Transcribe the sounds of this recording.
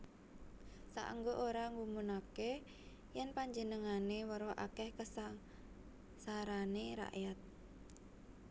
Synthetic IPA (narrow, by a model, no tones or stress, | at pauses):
sa̰ʔə̰ŋɡoʔoɾaŋumunake | jɛnpaɲd͡ʒənəŋanewəɾoʔakɛhkəsa | saɾaneɾa̰ʔjat̪̚